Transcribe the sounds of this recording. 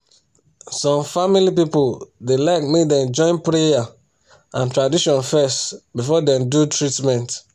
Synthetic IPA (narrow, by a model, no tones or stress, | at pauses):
sɔ̃mfamilip̬ipodelaɪkmekdɛ̃md͡ʒɔ̃ɪ̃npɹeja | ãntɹadiʃɔ̃nfɛstbifɔdɛ̃mdutɹitmɛ̃nt